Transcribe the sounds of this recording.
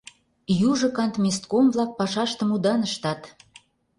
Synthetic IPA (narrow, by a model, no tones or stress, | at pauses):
juʒɤ̆kɑnt̪mʲest̪komvlɑk̚pɑʃɑʃt̪ə̆mud̪ɑnəʃt̪ɑt̪